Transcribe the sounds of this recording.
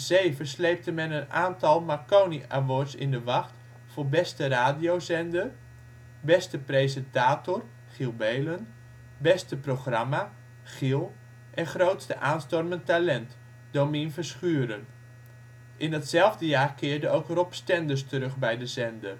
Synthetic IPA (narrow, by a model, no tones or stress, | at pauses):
z̥eːvəslejp̚təmɛnənaːntɑlˠmakowniʔaʋɔsɪ̰ndəʋɑxt | fʊːɹbɛstəraːdiowzɛndər | bɛstəprejzɛntaːtɔr | χilˠbejlən | bɛstəproχrama | χilˠ | ʔɛnχrowtstəʔaːnstɔrməntalɛnt | dominfəsχyːɾən | ʔɪndɑtsɛlˠvdəjaːrkɪːrdəowkrɔpstɛndərstərɵχbɛjdəzɛndər